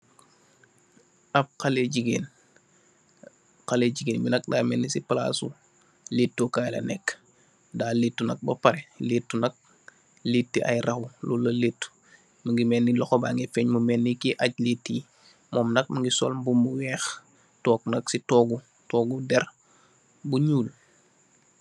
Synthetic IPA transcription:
ap̚kaleɟiɡen | kaleɟiɡeːnbinɐk̚daːmɛnːisipala̰sṵ | leːtːokaːjlɐ̰nɛkː | daːletːunɐ̰k̚bɐpaɾeletːunɐk̚ | letːiʔa̰jrʔɐxululɐletːu̥ | məŋɡimɛnːilɔxobaŋɡefɛɲmumɛnːikiʔaɟ̚letːi | mɔːmnɐk̚məŋɡisɔ̰ːlbumuwɛːx | tɔːknɐksitɔːɡu | tɔːɡudɛr | buɲuːl

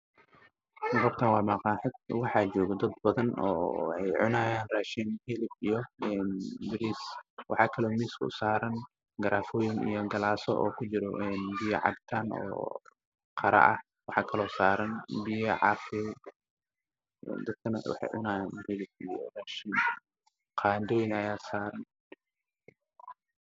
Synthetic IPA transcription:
rɔbt̪ʰɐnwɑːmaːqɑːħɪd̪̚wɑħɑːt͡ʃɔːɣɐd̪ɐd̪̚bɐðɐnɔ̰ːħɛjʕʊnaːjaːnraːʃiːnhilɪbijɔɛːnbɪɾiːswʔɑ̰ħɑːkʰɐlɔːmiːskʰʊ̰saːɾɐn | ɡɐɾaːfɔːjɪŋḭjɞɡɐlaːsɔʔɔːkʰʊt͡ʃɪɾɔʔɛnbɪjɐ̰ʕɑ̰b̚t̪ʰaːnɔ̰ː | qʰɑɾɐ̰ʔɐ̰h | wɑħɑːkʰɐlɔːsaːɾɐnbɪjɐʕɑfɛ | ɛ̰d̪ɐd̪̚kʰɐnɐ̰wɑ̰ħɑ̰jʕʊnaːjaːnhiːlɪbḭjɔ̰raːʃiːn | qʰaːnd̪ɔːjɪnɐjaːsaːɾɐn

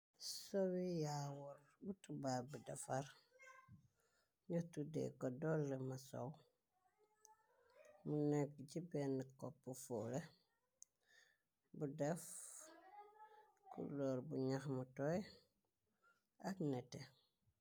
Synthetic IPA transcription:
sɔwijawuɾ | butubaːbudɛfar | ɲɔtudḛkɔdɔlːemaso̰w | munɛk̚ɟibɛnːikɔpːufule | budɛf | kṵlɔɾbuɲaxmutɔj | aknɛte

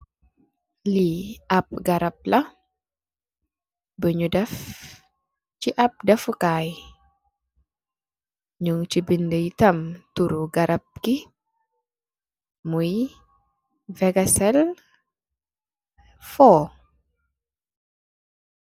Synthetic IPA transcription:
liɐp̚ɡɐɾɐp̚lɐ | bəɲudɛf | t͡ʃiʔɐp̚dɛfukaj | ɲuŋt͡ʃibindəjtɐmtuɾuɡɐɾʔɐp̚ki | muj | vɛɡɐsɛl | fɔː

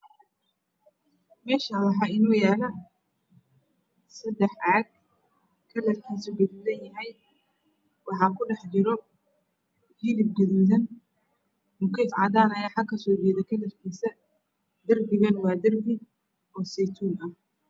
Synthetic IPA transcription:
mɛːʃawɑħɑɪnuːjaːlɐ | sɐd̪ɛħʕɑɡ̚ | kʰɐlɐfkʰiːsʊɡɐðuðɐnjɐɦɛj | wɑħɑːkʰʊɖɛħt͡ʃɪɾɔ | hiːlɪb̚ɡɐðuːðɐn | mʊkiːfʕɑ̰ðaːnɐjaːħɑkʰɐsɔːd͡ʒɛːðɐkʰɐlɐfkʰiːsɐ | d̪̥ɐrbɪɣɐnwɑːd̪ɐrbɪɡ | ɔːsɛt̪ʰuːnɐh

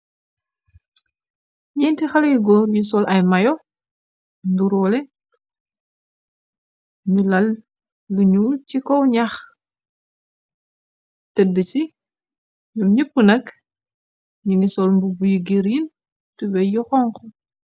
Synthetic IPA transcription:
ɲɛntixɐlɐjuɡɔːɾjusɔlʔɐjmɐjɔ | nduɾɔlɛ | ɲulɐlː | uɲuːlcikɔwɲax | tɛdət͡ʃi | ɲumɲəpːənɐk | ɲiŋɡisɔlmbubujuɡiɾin | tubɛjɔxɔŋkɔ

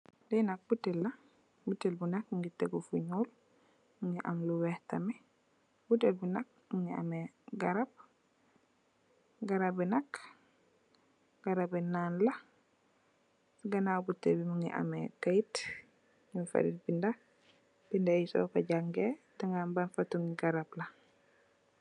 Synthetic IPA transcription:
dɛnak̚butːɛlːa | butːɛlbunak̚muŋɡitɛɡɔfuɲul | muŋɡiʔamluwɛhtamɛ | butːɛlbunak̚muŋɡia̰mɛ | ɡaɾab̚ | ɡaɾabɛnak | ɡ̥aɾabɛnaːnla | ɡanabutːebimuŋɡḭʔa̰mɛkajt | muŋifa̰ɾitbinda | b̥indajisɔ̰kaɟaŋɡɛdaŋɡambanfatːuŋɡiɡaɾabla

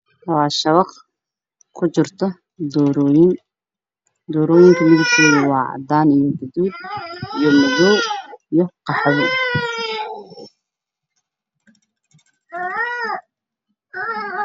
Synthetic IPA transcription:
wɑːʃɐβɑq | kʰʊt͡ʃɪrt̪ʰɔ | d̪ɔɾɔːjɪn | d̪ɔːɾɔːjɪŋkʰɐmɪðʊb̚k̪ʰɔːðʊwɑːʕɑ̰d̪aːnijɔɡʊðuːd̪ijɔmɐðɔwijɔqɑħɑðɔ

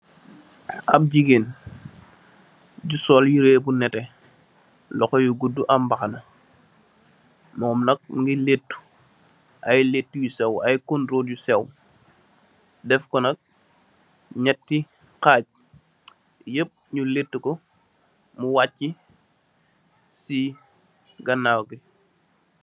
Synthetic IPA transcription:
ap̚ɟiɡen | ɟusɔːljiɾeːbunɛtɛ | lɔxɔjuɡudːuʔambaxanɐ | mɔːmnɐk̚ŋɡiletːu̥ | ʔajletːujusɛwajkunɾoɟusɛw | dɛfkɔnɐk̚ | ɲɛtːi | kaːɟ̚ | jəp̚ɲuletːukɔ | muwatːi | si | ɡɐnːawɡi

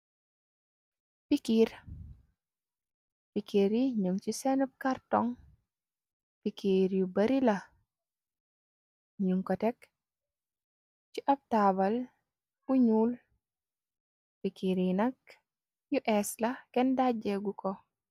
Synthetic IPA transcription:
pikiɾ | pikiɾiɲuŋt͡ʃisɛnup̚kaɾtɔŋ | pikiɾjubɐɾilɐ | ɲuŋkɔtɛk | t͡ʃiʔɐb̚tabɐl | uɲuːl | pikiɾinɐk | juʔɛslɐkɛndaɟɛɡukɔ

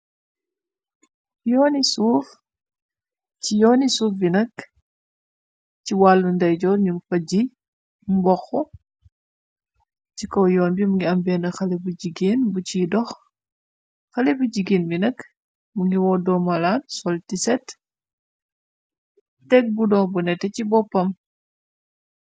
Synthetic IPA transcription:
jɔːnisuːf | cijɔːnisuːfbinɐk | ciwalːundɐjɟɔːɲuŋɡfɐɟi | mbɔxɔ | cikɔwjɔːnbimuŋɡiɐmbɛːnɐxɐlɛbuɟiɡeːnbut͡ʃidɔx | xɐlɛbuɟiɡeːnminɐk | muŋɡiwɔdɔmɐlaːnsɔltisɛt | tɛk̚budɔbunɛtːɛcibɔpːɐm

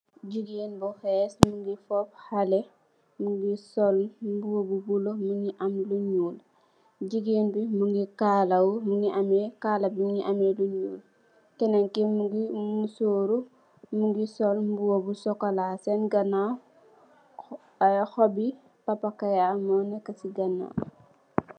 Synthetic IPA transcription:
ɟiɡenbuxɛsmuŋɡifɔp̚halɛ | muŋɡisɔlmbuwobubulomuŋɡiʔɐmluɲuːl | ɟiɡeːnbimuŋɡikaːlawmuŋɡiʔamɛkaːlabimuŋɡiʔameluɲuːl | kɛnaŋkimuɡimusoːɾu | muŋɡisɔlmbuwobusɔkɐlasɛnɡɐna | xɔbi | pɐpakajamɔnɛkːɐsiɡɐna̰

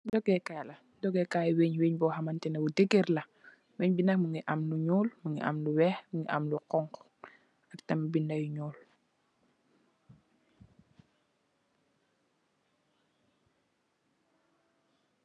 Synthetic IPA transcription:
dɔɡɛkaːlɐ | dɔɡɛkaːjweːɲweːɲbɔɦamɐntɛnɐbudeɡerlɐ | weɲbinɐkmuŋiʔamluɲuːlmuŋiʔa̰mluwɛhmuŋɡiʔa̰mluqɔŋk | aktɐmbindajuɲuːl

